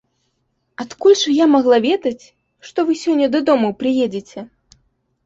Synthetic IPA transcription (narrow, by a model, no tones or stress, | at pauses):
at̪kulʲʂɨjamaɣlˠavʲɛd̪ɐt͡sʲ | ʂt̪ɔvɨsʲɔnʲːɐd̪ɐd̪ɔmupɾɨjɛd͡zʲet͡sʲɛ